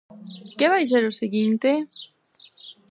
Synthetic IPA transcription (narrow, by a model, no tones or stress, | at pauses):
keβajs̬eɾʊseɣint̪e